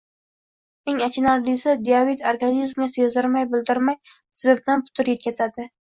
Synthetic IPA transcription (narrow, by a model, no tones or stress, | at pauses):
e̞ŋat͡ʃʰɪnaɾlɪsad̪iavit̪ʰoɾɡanizmʲasezɪɾmajbɪlˠd̪ɪɾmaj | zɪb̚d̪anpʰʊ̥t̪ʰʊɾjet̪̚kʲʰazad̪ɪ